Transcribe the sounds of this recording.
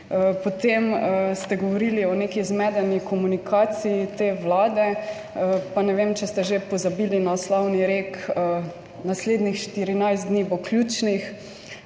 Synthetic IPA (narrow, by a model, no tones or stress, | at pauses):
əpɔt̪emst̪ɛɡɔʋɔɾiliɔnekizmɛd̪ɛnikɔmunikʰaːt̪siit̪eːʋlaːd̪ɛ | əpanɛʋemt͡ʃɛst̪ɛʒepɔzabilinaɔslawniɾeːk | nasleːd̪nixʃt̪iɾinajst̪d̪niːbɔklʲjuːt͡ʃnix